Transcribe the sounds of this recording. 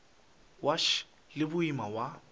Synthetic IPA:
waʃ | lɪbʊimawa

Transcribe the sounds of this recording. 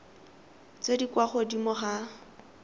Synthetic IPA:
t͡sedikwaχɔdimʊχa

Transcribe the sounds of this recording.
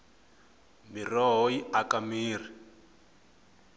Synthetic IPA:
mirɔɦoiakamiːr̤i

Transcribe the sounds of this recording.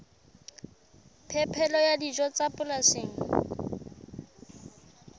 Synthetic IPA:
pʰɛpʰɛlɔjadid͡ʒɔt͡sapʼʊlaseːŋ̩

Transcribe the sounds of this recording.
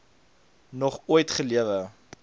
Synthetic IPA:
nɔχuəjtχəliəvə

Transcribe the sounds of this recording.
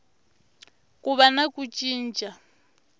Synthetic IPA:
kʼuβanakʼut͡ʃʼiːnt͡ʃʼa

